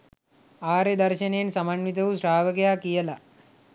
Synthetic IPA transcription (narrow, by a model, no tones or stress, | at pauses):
aːɾed̪ɐɾʃɐnensɐmanʋit̪̬ɐʋusɾaːʋɐɡɐjaːkijɐla